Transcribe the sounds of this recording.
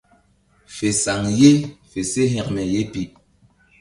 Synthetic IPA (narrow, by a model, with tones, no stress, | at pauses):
fe˨sa˨ŋje˦fe˨se˦ɦɛ̃˨kmɛ˨je˦pi˨ʔ